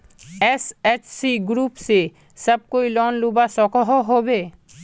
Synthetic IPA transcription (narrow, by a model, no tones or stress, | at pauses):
eset͡ʃsiɡɾupse | ʃəb̚koilɔnlubasɔkoɦoɦobe